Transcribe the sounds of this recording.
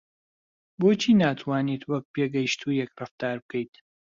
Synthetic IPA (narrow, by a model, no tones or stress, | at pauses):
bot͡ʃʰiːnaːt̪ʰwaːnit̪wɐk̚pʰeːɡɐjʃt̪ʰuːjɛkrɨft̪aːɾb̚kʰɐjt̪